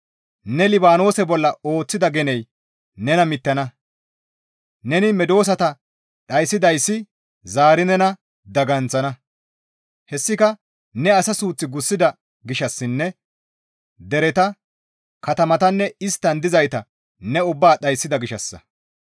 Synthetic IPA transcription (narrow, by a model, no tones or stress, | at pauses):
nɛlɪbaːno̞ːsɛbɔlːɐo̞ːt͡sːɪd̪ɐɡɛnɛj | nɛnɐmɪt̪ːɐnɐ | nɛnɪmɛd̪o̞ːs̬ɐt̪ɐ | ɗɐjsːɪd̪ɐjsːɪ | zaːɾɪnɛnɐ | d̪ɐɡɐnt͡sɐnɐ | hɛsːɪkɐ | nɛɐsɐsuːt͡sːɪɡʊsːɪd̪ɐ | ɡɪʃɐsːɪnːɛ | d̪ɛɾɛt̪ɐ | kɐt̪ɐmɐt̪ɐnːɛɪst̪ːɐnd̪ɪzɐjt̪ɐ | nɛʊbːaːɗɐjsːɪd̪ɐɡɪʃɐsːɐ̰